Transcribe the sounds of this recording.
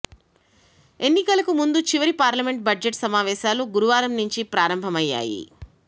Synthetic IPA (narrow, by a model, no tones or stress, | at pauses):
e̞nːikɐlɐkumund̪ut͡ʃiʋɐɾipaːɾlɐme̞ɳʈ̚bɐd͡ʒeʈsɐmaːʋɛːʃaːluɡuɾuʋaːɾɐmnuɲt͡ʃipɾaːɾɐmbʱɐmɐjːa̰ːjḭ